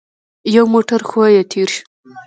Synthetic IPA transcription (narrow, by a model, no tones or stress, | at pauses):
jawmoʈaɾxajet̪ʰiɾʃ